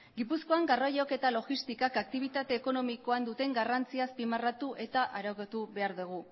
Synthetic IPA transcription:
ɡipusko̞aŋɡarojo̞ke̞t̪alo̞ɣist̪ikakak̚t̪iβ̞it̪at̪e̞ːko̞no̞miko̞and̪ut̪e̞ŋɡarant͡siaspimarat̪uʔe̞t̪aʔaɾawket̪uβe̞aɾðuɣ̞u

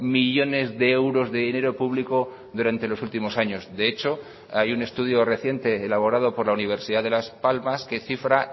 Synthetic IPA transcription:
miʎo̞ne̞zðe̞ewɾo̞zðe̞ðine̞ɾo̞puβliko̞ | ðuɾant̪e̞lo̞sult̪imo̞saɲo̞zðe̞et͡ʃo̞ | ajune̞st̪uðjo̞re̞θje̞nt̪e̞ːlaβ̞o̞ɾað̞o̞po̞ɾlauniβ̞e̞ɾsiðaðe̞laspalmaske̞θifɾa

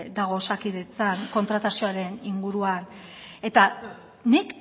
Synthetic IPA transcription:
d̪aɣ̞o̞sakiðe̞t͡saŋko̞nt̪ɾat̪asio̞aɾe̞niŋɡuɾuane̞t̪a | nik

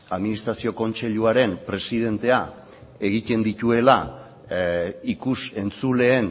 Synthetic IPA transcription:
aðminist̪ɾasio̞ko̞nt͡se̞ʎuaɾe̞mpɾe̞siðe̞nt̪e̞a | e̞ɣ̞it̪e̞nd̪it̪ue̞la | ikuse̞nt͡sule̞ːn

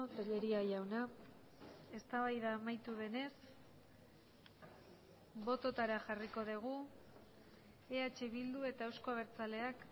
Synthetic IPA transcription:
t̪eʎe̞ɾiaʝawna | e̞st̪aβajðaːmajt̪uβe̞ne̞s | bo̞t̪o̞t̪aɾaxariko̞ðeɣ̞u | eat͡ʃe̞βild̪ue̞t̪aewsko̞aβe̞ɾt͡sale̞ak

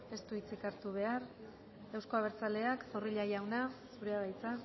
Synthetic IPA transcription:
e̞st̪uit͡sikaɾt̪uβ̞e̞aɾ | ewsko̞aβ̞e̞ɾt͡sale̞akso̞riʎajawnasuɾeaβajt͡sa

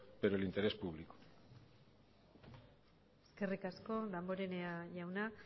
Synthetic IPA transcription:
beɾoelint̪e̞ɾe̞spuβ̞liko̥ | eske̞rikasko̞lamboɾeneaʝawna

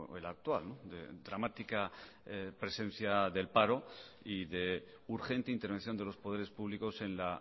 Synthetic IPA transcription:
ḛlak̚t̪walnod̪e̞̰d̪ɾamat̪ika | pɾe̞sẽ̞n̟θjaðe̞lpaɾo̞ | iðe̞ | uɾxe̞nt̪e̞int̪eɾβe̞n̟θjo̞nd̪e̞lo̞spo̞ðeɾespuβliko̞se̞nla

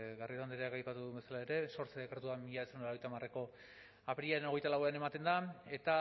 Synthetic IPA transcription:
ɡarit̪and̪eɾeakajpat̪uðumbe̞salae̞ɾe̞so̞ɾt͡seðekaɾt̪uamiʎaesembeɾjt̪amareko̞ | apeɾiaɾeno̞ɣe̞jt̪alawe̞ane̞mat̪e̞nd̪ae̞t̪a

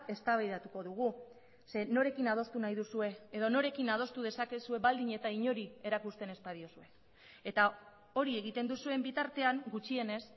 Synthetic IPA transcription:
e̞st̪aβajðat̪uko̞ðuɣ̞u | se̞no̞ɾe̞kinað̞o̞st̪unajðusue̞eðo̞no̞ɾe̞kinað̞o̞st̪uð̞e̞sake̞sue̞βald̪iɲe̞t̪aiɲo̞ɾie̞ɾakust̪e̞ne̞spaðio̞sue̞ | et̪a | o̞ɾie̞ɣ̞it̪e̞nd̪usue̞mbit̪aɾt̪e̞aŋɡut͡ʃie̞ne̞s

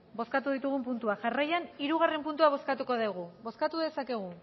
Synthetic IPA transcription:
bo̞skat̪uðit̪uɣ̞umpunt̪uaʝarajaniɾuɣare̞mpunt̪uaβ̞o̞skat̪uko̞ðeɣ̞ubo̞skat̪uðe̞sake̞ɣ̞u

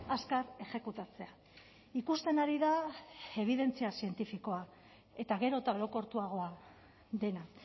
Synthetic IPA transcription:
askaɾe̞xe̞kut̪at͡se̞a | ikust̪e̞naɾiðae̞β̞iðe̞nt͡siasie̞nt̪ifiko̞a | e̞t̪aɣ̞e̞ɾo̞t̪aoɾo̞ko̞ɾt̪uaɣ̞o̞a | ðe̞na

